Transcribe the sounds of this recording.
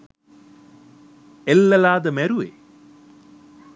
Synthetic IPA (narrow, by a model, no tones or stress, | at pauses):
elːɐlaːd̪ɐmɛɾuʋḛ